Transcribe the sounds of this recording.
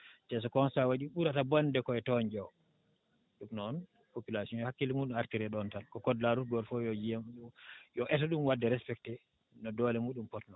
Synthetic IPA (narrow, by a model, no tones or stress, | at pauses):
t͡ʃɛs̬ɔkɔnsawaɗiɓuɾatabɔndɛkɔɛtɔɲd͡ʒɔw | ɗumnɔn | populasiɔnhakːilimuːɗumaɾtiɾɛɗɔntankɔkɔdlaɾutɡɔɾfɔjɔd͡ʒiamjɔʔɛtɔɗumwadːɛɾɛspɛktɛ | nɔdɔlɛmuːɗumpɔtnɔ